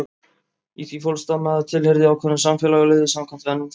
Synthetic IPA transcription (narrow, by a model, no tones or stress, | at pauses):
iθvifɔlst̪anːaðɪt̪ʰɪlhɛɾðɪawkʰvɛnʏmsamfjɛlaɣleːðɪsamkʰant̪ɪvɛnːʏmθ